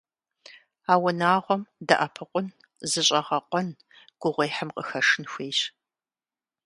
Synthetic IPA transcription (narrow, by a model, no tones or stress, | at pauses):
aːwɐnaːʁʷɔmdɐʔɐpʰɨqʷʊn | zɨɕʼɐʁɐqʷʼɔn | ɡ̥ʷʊʁʷejħəmqʼəxɐʂɨnxʷeːjɕ